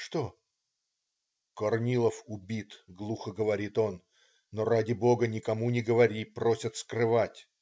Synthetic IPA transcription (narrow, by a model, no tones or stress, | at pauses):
ʂt̪o | kɐrnʲilˠəfʊbʲit̪ɡlˠuxəɡəvɐɾʲit̪o̞nː | o̞radʲɪbo̞ɡənʲɪkɐmunʲɪɡəvɐɾʲipɾo̞sʲət̪skrɨvatʲ